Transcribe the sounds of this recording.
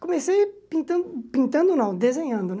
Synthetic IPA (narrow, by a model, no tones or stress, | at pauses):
komesejpĩnt̪ɐ̃d̪ʊpĩnt̪ɐ̃nd̪ʊnɐ̃w̃d̪ezẽɲɐ̃nd̪ʊn